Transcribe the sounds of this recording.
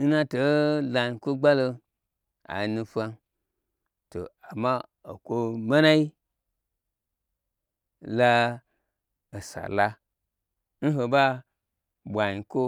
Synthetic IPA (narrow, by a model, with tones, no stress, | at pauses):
n̩˦na˦to˨˦la˨i˨ko˦ɡ͡ba˦lo˧ | a̰˨nu˧fa˧n | to̰˨a˨ma˦o˨kʷo˦ma˦na˦i˦ | la˧ | o˨sa̰˨la˦ | n̩˦ɦo˨ba˦ | bʷa˨ɲi˨ko˦